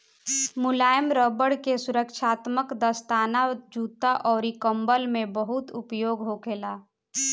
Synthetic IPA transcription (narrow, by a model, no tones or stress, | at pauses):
mʊlaːjəmɾɔːbəɽkesʊɾəkʃʰaːt̪məkd̪əst̪aːnad͡ʒuːt̪aʔɔːɾikəmbəlmẽbəɦʊt̪ʊpjoːɡɦokʰeːlaː